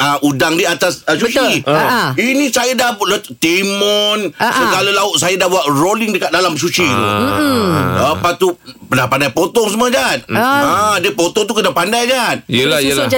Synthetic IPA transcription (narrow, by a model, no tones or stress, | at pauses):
aʔudaŋdiəat̪asəsut͡ʃii | inĩsajadahblat̪t̪imɔnsəɡalalaʊt̪̚sajadahbuwat̪̚rolɪŋdəkat̪̚dalams̬ut͡ʃḭ | daəpat̪upənapandajpot̪ɔŋs̬əməd͡ʒanadiəpot̪ɔŋt̪̬ukənapandajɡaniəla